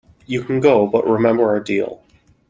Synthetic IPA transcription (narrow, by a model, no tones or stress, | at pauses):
jɨkʰn̩ɡoʊbʌʔɹɪmɛ̃mbə˞ɨdḭlˠ